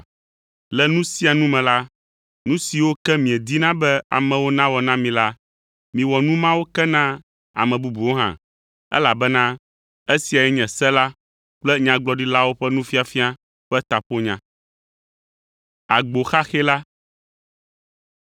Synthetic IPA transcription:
lɛ˦nũ˦si˦a˨nũ˦mɛ̃˨la˦ | nũ˦si˨wo˦kɛ˦mĩ˨ɛ˨d̪i˦nã˦bɛ˦a̰˨mɛ̃˨wo˦nã˦wɔ˨nã˦mĩ˨la˦ | mĩ˨wɔ˨nũ˦mã˦wo˦kɛ˦nã˦ | a̰˨mɛ̃˨bu˦bu˨wo˦ɦã̰˨ | ɛ̰˦la˨bɛ˦nã˦ | e˦si˨a˨jɛ˦ɲɛ̃˨sɛ˦la˦ | k͡plɛ˦ɲã˨ɡ͡blɔ˦ɖi˦la˦wo˦ɸɛ˦nũ˦fi˦a˨fi˦a˦ | ɸɛ˦t̪a˨ɸo˦ɲã̰˨ | a˨ɡ͡bo˨xa˦xɛ˦la˦

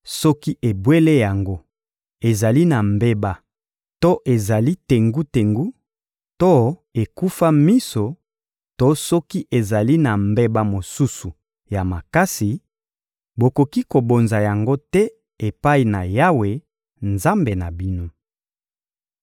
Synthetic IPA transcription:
sɔ˦ki˦ʔe˨bwe˦le˦ja˨ŋɡo˦ | e˨za˨li˦na˨mbe˦ba˦ | to˦ʔe˨za˨li˦te˨ŋɡu˦te˨ŋɡu˦ | to˦e˨ku˦fa˦mi˦so˨ | to˦sɔ˦ki˦ʔe˨za˨li˦na˨mbe˦ba˦mo˨su˦su˨ | ja˨ma˨ka˦si˨ | bo˨ko˨ki˦ko˨bo˨nza˨ja˨ŋɡo˦tɛ˦ | e˨pa˦i˨na˨ja˦we˨ | nza˦mbe˨na˨bi˦no˦

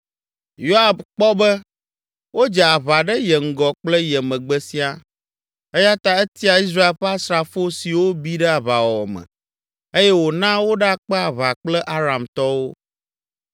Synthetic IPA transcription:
jo˦a˨bk͡pɔ˦bə˦ | wo˦d͡ʒɛ˨a˨βa˨ɖə˦jɛ˨ŋ̩˦ɡɔ˨k͡plə˦jɛ˨mə̃˨ɡ͡bə˦si˦a˦ | e˦ja˦t̪a˦ɛ˦t̪i˦a˨i˦s̬ɾa˦e˨lɸɛ˦a˦sɾa˨fo˦si˨wo˦bi˦ɖɛ˦a˨βa˨wɔ˨mɛ̰˨ | e˦jɛ˦wo˨nã˦wo˦ɖk͡pɛ˦a˨βa˨k͡plɛ˦ʔa˦ɾa˨mt̪ɔ˦wo˦

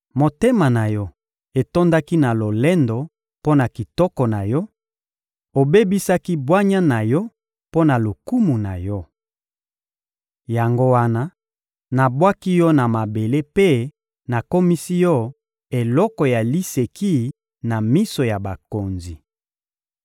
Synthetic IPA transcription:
mo˨te˦ma˨na˨jɔ˦ | e˨to˦nda˦ki˦na˨lo˨lɛ˦ndɔ˨ | po˦na˨ki˨tɔ˦kɔ˨na˨jɔ˦ | o˨be˦bi˦sa˦ki˦bwa˦ɲa˦na˨jɔ˦ | po˦na˨lo˨ku˦mu˨na˨jɔ˦ | ja˨ŋɡo˦wa˦na˦ | na˨bwa˦ki˦jɔ˦na˨ma˨be˨le˦pe˦ | na˨ko˦mi˦si˦jɔ˦ | e˨lɔ˦kɔ˨ja˨li˦se˨ki˦ | na˨mi˦so˨ja˨ba˨ko˨nzi˨

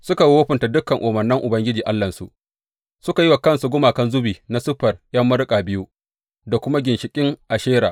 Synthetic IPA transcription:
sʊ˦ka˨woː˦ɸɪ˨nta˨dʊ˦kːɐ˨ŋʔoː˨mɐ˨nːɪ˦ŋʔʊ˨bɐ˦ŋɡʲɪ˦d͡ʒiː˨ʔa˦lːɐ˨nsṵ˨ʔ | sʊ˦ka˨ji˦wa˨kɐ˦nsu˨ɡʷʊ˦maː˨kɐ˦nzʊ˦biː˨na˨sʊ˦ɸɐ˨rjɐ˦mːɐ˦ɾkʼaː˨bɪ˦ju˦ | da˨kʷʊ˦ma˦ɡʲɪ˨nʃɪ˨kʲʼɪ˦ŋʔa˨ʃeː˦ɾa̰ː˨ʔ

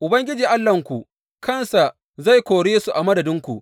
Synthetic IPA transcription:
ʔʊ˨bɐ˦ŋɡʲɪ˦d͡ʒiː˨ʔa˦lːɐ˨ŋkʷu˨ʔ | kɐ˦˨nsa˨ʔ | za˦˨jkʷoː˨ɽeː˦su˨ʔa˨mɐ˦dɐ˨dɪ˦ŋkʷṵ˨

